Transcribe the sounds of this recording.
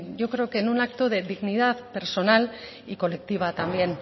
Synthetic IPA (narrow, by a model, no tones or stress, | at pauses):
ʝo̞kɾe̞okenunakt̪oðe̞ðiɣniðaðpe̞ɾso̞nal | iko̞le̞k̚t̪iβ̞at̪ambje̞n